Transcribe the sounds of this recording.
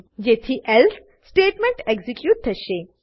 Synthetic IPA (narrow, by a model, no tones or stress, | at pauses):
d͡ʑet̪ʰiʔels | sʈeːʈmẽɳʈeɡzikjuːʈ̪̚d̪ʰʱəʃe